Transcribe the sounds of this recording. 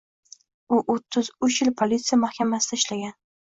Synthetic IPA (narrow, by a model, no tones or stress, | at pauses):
ʊʔot̪ʰːɪzʊt͡ʃjɪlpʰolit̪sɪjamahkʲʰamasɪd̪aɪʃlaɡʲan